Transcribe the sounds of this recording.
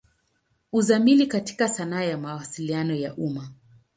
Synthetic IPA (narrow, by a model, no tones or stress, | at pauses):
uzamilikati̥kasanaːjamawasilianɔjaʔuma